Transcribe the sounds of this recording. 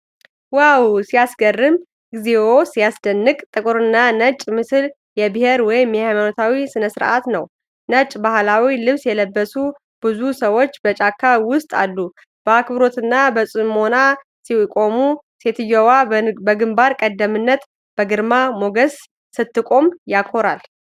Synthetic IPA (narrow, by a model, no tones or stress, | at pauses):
wawsijasɡərːɨm | ɡɨzewosijasd̪ənːɨkʼt̪ʼɨkʼuɾɨnːanət͡ʃʼmɨsɨl | jɛbɨheɾwɔjɪmːhajmanot̪ʰawisɨnəsɨɾʔa̰t̪nəw | nət͡ʃʼbahlawilɨβsjɛləbːəsu | b̥ɨzusəwot͡ʃːbət͡ʃʼakʰːawʊst̪ʼa̰lːu | b̥əakbɾo̞t̪ɨnːabəsʼɨmona | siwkʼo̞mu | se̞t̪ʰɨjɛwabəɡɨmbaɾkʼəd̪ːəmɨnːət̪ | b̥əɡɨɾmamo̞ɡəsː | ɨt̪ːɨkʼo̞mjakʰo̞ɾal